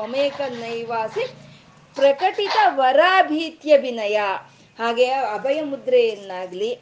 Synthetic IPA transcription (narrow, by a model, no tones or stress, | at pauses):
ɐmeːkɐnɐjʋaːsi | pɾɐkɐʈit̪ɐʋɐɾaːbʱiːt̪jɐʋinɐjɐ | haːɡeɐbʱɐjɐmud̪ɾejɐnːaːɡli